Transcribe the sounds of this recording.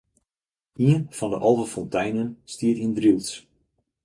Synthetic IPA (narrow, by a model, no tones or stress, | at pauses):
iənfɔndəʔɑlˠvəfɔntʰɛjnənstiətiəndrilˠs